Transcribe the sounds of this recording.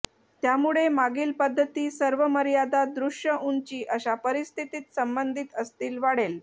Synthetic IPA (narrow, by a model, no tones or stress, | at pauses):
t̪jamuɭemaɡiːlpəd̪ʱːət̪iːsəɾʋəməɾjad̪ad̪ɾuʂjəʔuɲt͡ɕiːʔəɕapəɾist̪ʰit̪iːt̪səmbənd̪ʱit̪əst̪iːlʋaɽel